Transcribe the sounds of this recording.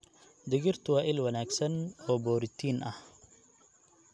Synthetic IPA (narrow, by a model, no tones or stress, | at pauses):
d̪ɪɣɪrt̪ʰʊwaːʔɪlwɐnaːɡsɐnɔːbɔːɾɪt̪ʰiːnʔɐh